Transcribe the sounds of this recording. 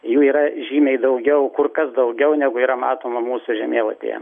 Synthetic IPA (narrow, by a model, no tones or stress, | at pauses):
juːiːɾɐʒʲiːmʲɛɪd̪ɐʊɡʲɛʊkʊrkɐsd̪ɐʊɡʲɛʊnʲæɡʊiːɾɐmɑːt̪oːmɐmuːsʊʒʲɛmʲeːlˠɐt̪ʲḛːjɛ̰